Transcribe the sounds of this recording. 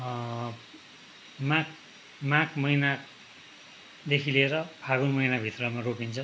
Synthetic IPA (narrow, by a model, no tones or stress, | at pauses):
mak | mãkmʌjna | d̪ekʰileɾʌpʰaɡunmʌjnabʱit̪rʌmarokint͡sʰʌ